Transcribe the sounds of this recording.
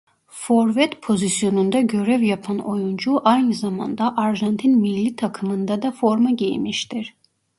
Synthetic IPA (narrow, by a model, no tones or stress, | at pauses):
foɾvɛt̪pʰo̞zisjo̞nund̪aɟø̞ɾɛvjapʰano̞jund͡ʒuʔajnɯzama̰nd̪aʔaɾʒant̪ʰinmilʲːit̪ʰakʰɯmɯnd̪ad̪afo̞ɾmaɟejmiʃt̪ʰiɾ̥